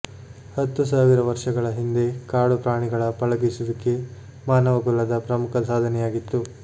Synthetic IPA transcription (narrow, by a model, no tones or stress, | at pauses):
hɐt̪ːusaːʋiɾɐʋɐɾʂɐɡɐɭɐɦind̪e̞kaːɽupɾaːɳiɡɐɭɐpɐɭɐɡisud̪ɐkːe | maːnɐʋɐɡulːɐd̪ɐpɾɐmukʰɐsaːd̪ʱɐnɛjaːɡit̪ːu